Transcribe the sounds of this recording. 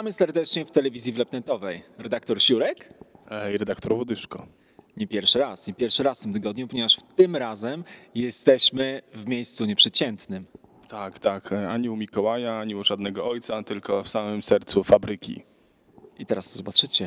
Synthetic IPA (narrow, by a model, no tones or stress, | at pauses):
amɘsɛɾd̪ɛt͡ʂɲɛft̪ɛlɛvʲizʲjivlɛpnɛt̪ɔvɛjɾɛd̪ak̚t̪ɔɾɕuɾɛkiɾɛd̪akt̪ɔɾwɔd̪ɘʂkɔ | ɲɛpʲjɛɾfʂɘɾasɲɛpʲjɛɾfʂɘɾasft̪ɘmt̪ɘɡɔd̪ɲupɔɲevaʂft̪ɘmɾazɛmjɛst̪ɛɕmɘvmʲjejst̪suɲɛpʂɛt͡ɕɛnt̪nɘm | t̪akt̪akaɲuwmʲikɔwajaaɲiuʐad̪nɛɡɔɔjt̪sat̪ɘlkɔfsamɘmsɛɾt̪sufabɾɘkʲḭ | ʔit̪ɛɾasɔzɔbat͡ʂɘt͡ɕɛ